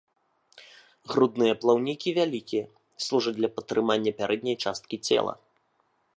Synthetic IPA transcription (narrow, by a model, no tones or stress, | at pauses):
ɣɾud̪nɨjɐplˠawnʲikʲivʲalʲikʲijɐ | slˠuʐɐdʲlʲɐpɐt̪ːɾɨmanʲːɐpʲaɾʔɛd̪ʲnʲɐjt͡ʂast̪̚kʲit͡sʲɛ̰lˠɐ̰